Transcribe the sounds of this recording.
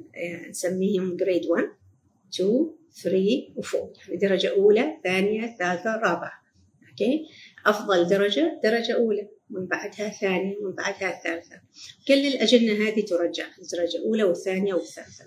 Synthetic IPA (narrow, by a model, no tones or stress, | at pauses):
nsamːiːhʊmɡɾeːd̪wan | t̪uː | θɾiːwfuːjaʕnid̪ɑɾˤɑd͡ʒaʔuːlaθaːnɪjaθalaːlθarˤɾˤɑːbɪʕa | ʔokeːʔɑfðˤɑld̪ɑɾˤɑd͡ʒad̪̥ɑɾˤɑd͡ʒaʔuːlamɪnbaʕd̪haθaːnɪjamɪmbaʕd̪haθːaːlθa | wɡalːɪlʔad͡ʒɪnːaɦaːd̪it̪ʊɾˤɑd͡ʒːaħɪd̪ɑɾˤɑd͡ʒaʔuːlawɪθːaːnɪjawɪθːa̰ːlθa